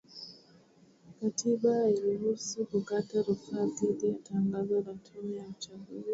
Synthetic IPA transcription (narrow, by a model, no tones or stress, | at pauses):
katʰiɓailiɦusukukataɾufatilijataŋɡazanatʰumɛjaut͡ʃaɡuzi